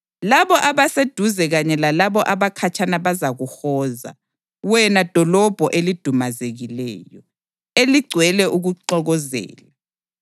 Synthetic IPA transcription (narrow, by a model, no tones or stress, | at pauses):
laβɔʔaβased̥ʱuzɛɣaɲɛlalaβɔʔaβakʰat͡ʃʰanaβazaɣuhɔːza̰ | wɛnad̥ʱɔlɔb̥ʱɔʔelid̥ʱumazeɣilɛ̰ːjɔ | eliɡ͡ǀʱwɛlɛʔuɣuǃɔɣɔzɛ̰ːla